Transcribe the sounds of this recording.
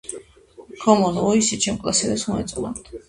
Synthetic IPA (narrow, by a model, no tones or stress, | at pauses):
kʰɔmɔnɔisit͡ʃʰɛmkʼlˠa̰sɛd̪ɛsmɔɛ̰t̪sʼna̰mt̪ʰ